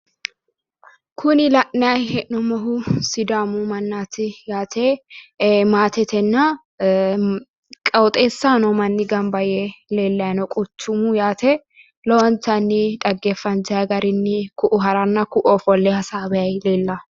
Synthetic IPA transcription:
kʰʊnɪlɐʔnɐjɛʔnɔmɔɦʊsɪd̪aːmʊmɐnːaːt̪ɪjaːt̪ʰe | maːt̪ɛt̪ʰɛnːɐ | kʼɐwt̪ʼeːsːanɔmɐnːɪɡɐmbɐjɛleːlːɐɐnɔkʼʊt͡ʃːʊmʊjaːt̪ʰɛ | lɔwɐnt̪ːɐnːɪᶑ̪ɐɡːefːɐnd͡ʒɐɐɡɐɾɪnːɪkʊʔʊɦɐɾɐnːɐkʊʔɔfɔlːɛhɐsaːbɛjɐjleːlːɐ

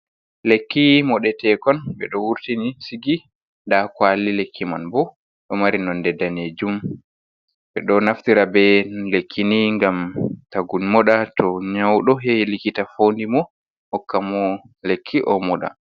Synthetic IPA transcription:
lekːimɔɗɛtɛkɔnbɛɗɔwuɾtinisiɡi | ndakwalːilekʰːimanbɔ | ɗɔmaɾinɔndɛdːaneːd͡ʒum | ɓɛɗɔnaftiɾabɛlekʰːiniŋɡamtaɡunmɔɗatɔɲawɗɔɦɛlikitafondimɔ | hɔkːamɔ | lekʰːiʔɔ̰mɔɗa̰

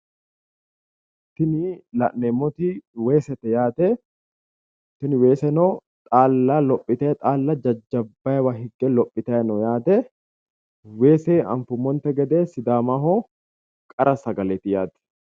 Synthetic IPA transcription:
t̪ːɪnɪlɐ̰ʔnemːɔt̪ɪwe̞ːsɛt̪ɛjaːt̪ɛ | t̪ɪnɪwe̞ːsɛnɔː | t̪ʼaːlːɐlɔpʼːɪt̪et̪ʼaːlːɐd͡ʒɐd͡ʒːɐbːɐjɛwaɦɪɡːɛlɔpʼːɪt̪ɐjɛnɔjaːd̪ɛ | weːseːɐ̰ɱfʊmːɔnt̪ɛɡɛd̪eːsɪd̪aːmaːɦoː | kʼɐɾʔɐsɐɡɐlɛt̪ɪjaːt̪ɛ̥

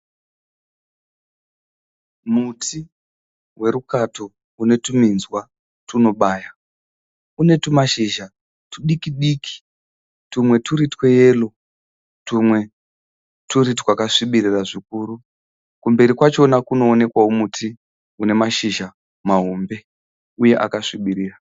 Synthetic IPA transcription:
mutʰi | we̞ɾukato̞ | une̞tuminzwa | tuno̞ɓaːja | une̞tumaʃiʒa | tuɗikiɗiːki̥ | tumwe̞tuɾitweje̞ːlo̞ | tumwe̞ | tuɾitwakaʂiɓiɾiraʐikuːɾu | kumbe̞ɾikwat͡ʃo̞nakuno̞ːne̞kwaomutʰi | une̞maʃiʒa | maɦombe̞ | uje̞ʔa̰kaʂiɓiɾiːra

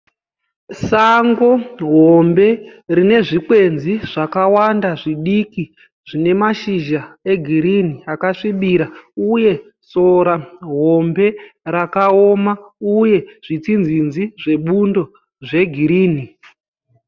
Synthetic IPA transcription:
saŋɡo̞ɦombe̞rine̞ʐikwe̞nziʐ̥akawandaʐiɗiki | ʐ̥ine̞maʃiʒae̞ɡʱiɾiniakaʂiɓiɾauje̞ | so̞ɾaɦo̞mbe̞ɾakao̞mauje̞ʐ̥it͡sind͡zinziʐe̞ɓundo̞ | ʐe̞ɡʱiɾiːni

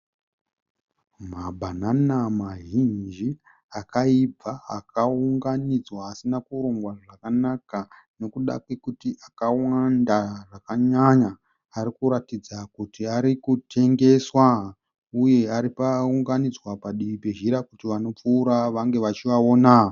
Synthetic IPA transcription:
mabʱananamaɦind͡ʒi | akaib͡vaa̰kʰauŋɡanid͡zwaːsinakuɾuŋɡwaʐakanaka | no̞kuɗa̰kwe̞kutiʔakawandaʐakaɲaɲaː | ɾikuɾatid͡zakutiaɾikutʰe̞ŋɡe̞swa | uje̞aɾipauŋɡanid͡zwapaɗiʋipe̞ʒiɾakutiʋano̞p͡fuːɾaʋaŋɡe̞ʋat͡ʃiʋao̞naː

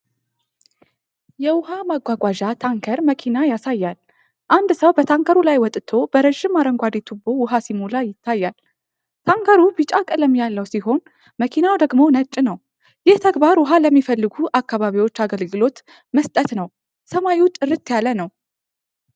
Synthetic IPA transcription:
jɛwʊhamaɡʷaɡʷaʒat̪ʰaŋkʰəɾməkʰinajasajːal | ʔand̪səwbət̪ʰaŋkʰəɾulajwɔt̪ʼt̪ʰo̞bəɾəʒːɪmːaɾəŋɡʷad̪et̪ʰubːo̞wʊɦasimulajɪt̪ʰːajːal | t̪ʰaŋkʰəɾubɨt͡ʃʼakʼɨləmːijalːəwsiɦo̞n | məkʰinawd̪əɡmo̞nət͡ʃʼːnəw | jɪht̪ʰəɡbaɾwʊɦaləmːifəlːɨɡuʔakːaβaβiwo̞t͡ʃːaɡəlɡɨlo̞t̪ | məst̪ʼət̪nəw | səmajiwt͡ʃʼɨɾɨt̪ːjalənəw

